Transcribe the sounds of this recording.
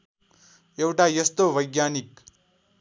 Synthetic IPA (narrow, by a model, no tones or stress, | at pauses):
ewʈaːjɐst̪oːʋɐjɡjaːnik